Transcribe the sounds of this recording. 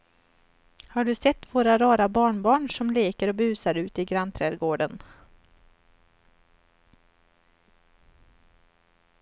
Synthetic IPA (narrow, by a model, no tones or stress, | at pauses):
haɖɵsɛt̪ːvoːɾaɾɑːɾabɑːɳbɑːɳʂɔmleːkəɾɔbʉ̟ːsaɾʉ̟ːt̪ɪɡɾant̪ʰɾɛːd̪ɡoːɖən